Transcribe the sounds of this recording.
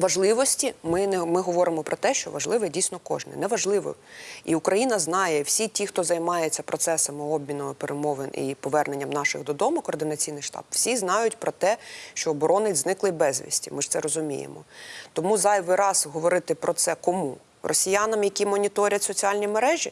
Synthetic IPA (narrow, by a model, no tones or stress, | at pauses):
ʋɐʒlˠɪʋɔsʲtʲimɪnɛmɪɦɔʋɔɾɪmɔpɾɔt̪ɛʃt͡ʃɔ̰ʋɐʒlˠɪʋɛdʲijsʲnɔkɔ̰ʒnɪ̰nɛʋɐʒlˠɪʋɔ̰iukɾɐjinɐznɑjɛwsʲitʲixt̪ɔzɐjmɑjet͡sʲːɐpɾɔt̪sɛsɐmɪɔbʲmʲinɔmpeɾʔemɔʋɪnḭpɔʋɛrne̞nʲːɐmnɑʃɪ̰ɣd̪ɔd̪ɔmʊkɔːrd̪ɪnɐt͡sʲijnɪjʃt̪ɑ̰pw̥sʲiznɑjʊtʲpɾɔt̪ɛʃt͡ʃɔːbɔɾɔnɪznɪklˠɪbɛzʲʋʲḭsʲtʲimɪʂt̪sɛɾɔzʊmʲḭjḛmɔ̰t̪ɔmuzɑjʋɪɾɑzɦɔʋɔɾɪt̪ɪpɾɔt̪sɛkɔmu | rʔɔsʲijanɐmjɐkʲimɔnʲit̪ɔɾʲɐtʲsɔt͡sʲiɑlʲnʲimeɾɛʒʲi